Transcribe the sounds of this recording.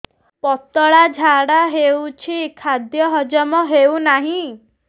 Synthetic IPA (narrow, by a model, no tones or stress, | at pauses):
pɔt̪ɔɭad͡ʒʱaɽaɦewt͡ʃʰikʰad̪jɔɦɔd͡ʒɔmɔɦewnaɦĩ